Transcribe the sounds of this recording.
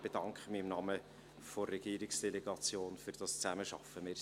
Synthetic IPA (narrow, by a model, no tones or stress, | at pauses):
b̥ed̥ɑŋkχəmɪɪmnɑmə | forːɛɡ̥iːɾɪksd̥eleɡ̥ɑt͡sjoːnfyɾd̥ɑst͡sæməʃɑ̰fːəmɪː